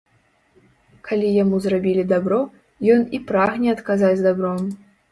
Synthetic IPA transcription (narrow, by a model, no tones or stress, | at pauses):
kʰalʲijamuzrabʲilʲid̪abɾɔ | jɔnipɾaɣnʲɛɐt̪kazad͡zʲzd̪abɾɔm